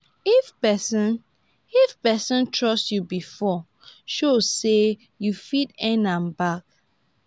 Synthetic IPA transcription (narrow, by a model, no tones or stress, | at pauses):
ifpɛsɔ̃n | ifpɛsɔ̃ntʰɹɔstjubifɔ | ʃozse | jufitɛ̃nãnbak̚